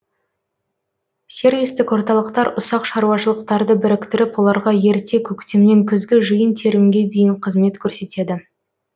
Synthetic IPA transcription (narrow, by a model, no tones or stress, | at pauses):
sʲe̞rvʲijst̪ɪkwo̞ɾt̪ɑlˠəqt̪ɑɾʔʊsɑqʃɑɾuɑʃəlˠəqt̪ɑɾd̪əbɪɾɪkt̪ɪɾɪpwo̞lˠɑɾʁɑje̞ɾt̪ʰe̞kʲʰɵkt̪emne̞ŋkʲʰʏzɡʲɪʒɨjənt̪ʰe̞ɾɪmɡʲe̞d̪e̞jɪɴqʰəzme̞t̪kʲʰɵɾse̞t̪e̞d̪ɪ